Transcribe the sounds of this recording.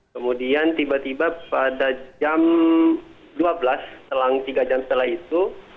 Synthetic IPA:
kəmudiant̪ibat̪ibapadad͡ʒam | duabəlast̪əlaŋt̪iɡad͡ʒamsət̪əlahit̪u

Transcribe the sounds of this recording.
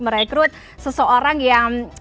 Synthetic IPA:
məɾajkɾuət̪̚ | səsoʔoɾaŋjaŋ

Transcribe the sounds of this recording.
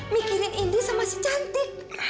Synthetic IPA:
mikiɾɪnindusamasə̥t͡ʃant̪ɪk̚

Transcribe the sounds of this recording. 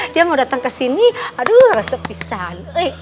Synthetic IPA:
diamadat̪aŋkasiniadurasəpisanəj

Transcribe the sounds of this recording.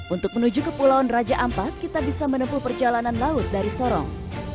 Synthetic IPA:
ʔunt̪ʊk̚mənud͡ʒukəpulaɔnrad͡ʒaʔampakːit̪abisamənəmpuhpərd͡ʒalananlaʊt̪̚daɾisɔɾɔ̰ŋ

